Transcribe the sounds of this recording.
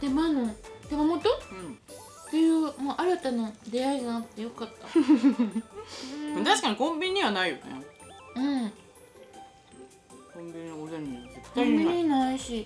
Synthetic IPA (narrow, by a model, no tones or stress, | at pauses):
t̪emanot̪emamo̞t̪oɯ̃ | t̪e̞jɯ̟ːmoʔaɾat̪anod̪e̞aiɡanakɯ̥t̪ːe̞jo̞kat̪ːa | ɯ̃t̪aɕi̥kaɲ̟ikõ̞mbʲiɲːiβanaijo̞nɛ̰ɯ̟̃ | kõmbʲiɲozẽnezet̪ːkːõmbʲiɲɲinaiɕi